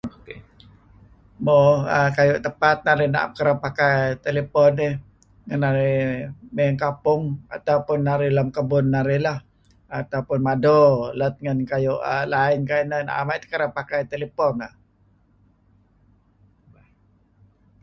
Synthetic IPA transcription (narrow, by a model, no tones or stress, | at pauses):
moəkajʊʔt̪əpat̪̚naɾɪna̰ʔkəɾapakajt̪elepɔnɪ | ŋanaɾimeŋkapʊŋa̰t̪aupʊnːaɾɪlamkəbʊnːaɾɪhlah | at̪aupʊnmadɔlat̪̚ŋankajʊʔəlaɪnkainəna̰ʔa̰maʔt̪u̥kəɾapakajt̪elepɔnah